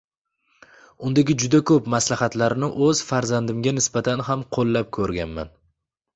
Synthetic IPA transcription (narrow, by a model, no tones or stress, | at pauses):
ʊnd̪aɡʲɪd͡ʒʊd̪akʰɵpmaslahat̪laɾɪnɪʔɵz̥faɾzand̪ɪmɡʲanɪsbat̪ʰanhamqʰolˠːap̚kʰɵɾɡʲanma̰n